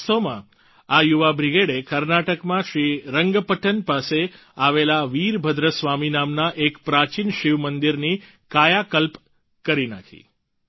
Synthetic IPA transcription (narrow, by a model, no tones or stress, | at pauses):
t̪omã̰ | ajuʋabɾiɡeɽekəɾnaʈəkmãʃɾiɾəŋɡpəʈənpase | aʋelaʋiɾbʱəd̪ɾəsʋaminamnaʔekpɾat͡ʃinʃiʋmənd̪iɾni | kajakəlp | kəɾina̰kʰḭ